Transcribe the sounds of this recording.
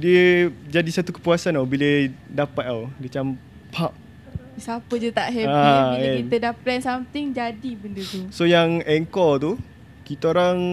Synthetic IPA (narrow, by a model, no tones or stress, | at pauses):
diəd͡ʒadisat̪ukə̥puasanawbilədapat̪awdiət͡ʃam | pʰap̚ | sapəd͡ʒət̪aʔɦɛaɛkit̪ədaplɛnsamt̪ɪŋd͡ʒadibəndət̪usojaŋɛŋkɔt̪u | kit̪aoɾaŋ